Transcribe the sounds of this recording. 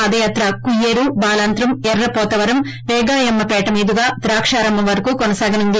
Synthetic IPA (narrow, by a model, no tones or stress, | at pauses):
ɐd̪ɐjaːt̪ɾɐkujeːɾubaːlaːnt̪ɾɐmɛɾːɐpɔːt̪ɐʋɐɾɐm | ʋɛːɡaːjɐmːɐpɛːʈɐmiːd̪uɡaːt̪ɾaːkʂaːɾɐmbʱɐmʋɐɾɐkuːkonɐsaːɡɐnund̪i